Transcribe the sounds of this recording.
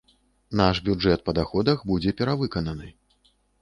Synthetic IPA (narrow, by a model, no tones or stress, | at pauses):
naʂbʲud͡ʐɛt̪̚pɐd̪axɔd̪ɐxbud͡zʲɛpʲɛɾavɨkɐnɐnɨ